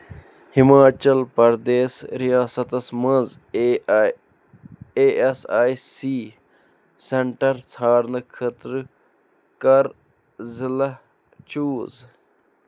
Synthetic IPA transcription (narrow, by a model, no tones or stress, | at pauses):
himaːt͡ʃɐlpɐɾd̪eːsɾijaːsɐt̪ɐsmɐz | eːsaːjsiː | seɳʈɐɾt͡sʰaːɾnɐkʰɐt̪ɾ | kɐɾ | zilɐ | t͡ʃuːz